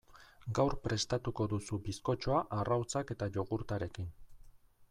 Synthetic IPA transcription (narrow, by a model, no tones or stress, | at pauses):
ɡawɾpɾe̞st̪at̪uko̞ðusubisko̞t͡ʃo̞aʔarawt͡sake̞t̪aʎo̞ɣuɾt̪aɾe̞kin